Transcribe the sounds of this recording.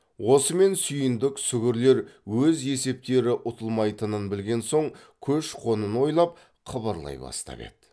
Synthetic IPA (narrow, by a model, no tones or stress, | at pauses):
wo̞səme̞nsʏjɪnd̪ɪksʏɡʲɪɾle̞ɾwɵze̞se̞p̚t̪e̞ɾɪʔʊt̪ʰəlˠmɑjt̪ənənbɪlɡʲe̞nso̞ɴ | kʲʰɵʃqʰo̞nənwo̞jlˠɑp̚ | qʰɑbɑɾlˠɑ̰jbɑ̰st̪ɑ̰bḛt̪